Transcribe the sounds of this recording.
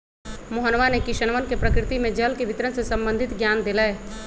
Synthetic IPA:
moɦənʋanekɪʃənʋənkepɾəkɾɪt̪imẽd͡ʒəlkeʋɪt̪ɾənsesə̃mbə̃nd̪ʱɪt̪ɡjaːnd̪elə

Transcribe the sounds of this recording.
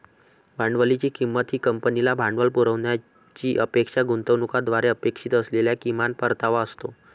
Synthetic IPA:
bʱaɳɖʋəlit͡ɕiːkimːət̪ɦiːkəmpənilabʱaɳɖʋəlpuɾəʋnja | t͡ɕiːʔəpekʂaɡunt̪əʋnukad̪ʋaɾeəpekʂit̪əsleljakimanpəɾt̪aʋaəst̪o

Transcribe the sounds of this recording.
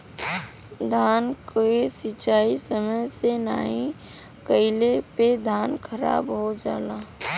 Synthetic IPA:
d̪ʱaːnkoesɪt͡ʃaːisəməjsena̰ːɦĩ | kəɪleped̪ʱaːnkʰəɾa̰ːbɦod͡ʒa̰ːla

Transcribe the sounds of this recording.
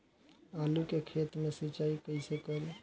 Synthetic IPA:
alukekʰet̪mẽsət͡ʃaːikəɪsekəɾe

